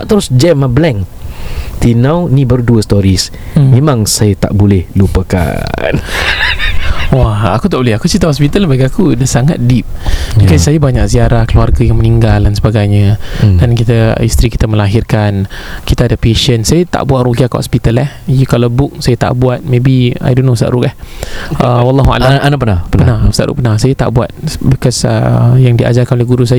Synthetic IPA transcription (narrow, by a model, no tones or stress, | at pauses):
aʔt̪əɾʊsd͡ʒɛmablɛŋ | t̪inawnĩbəɾuduəst̪ɔɾis | mẽmãŋsajat̪a̰ʔbolɛhlupəka̰n | waakut̪aʔbolɛhakut͡ʃit̪ahɔspit̪albaɡiakudasaŋat̪̚dip̚ikasajabaɲak̚siaɾahkəluarɡajaŋməniŋɡalansəbaɡajɲədankit̪aist̪ɾiki̥t̪aməlaɦirkankit̪aadapeʃənsajat̪a̰ʔbuat̪̚rokiakhɔ̰spit̪alah | jkalawbʊk̚sajat̪a̰ʔbuat̪̚mẽbia̰jdonost̪a̰ʔɾukahəwalːɑɦua̰laanapənappənaust̪aʔɾṵʔpənahsajat̪a̰ʔbuat̪̚bəkasə̰jaŋdiʔa̰d͡ʒarkanolehɡuɾus̬aj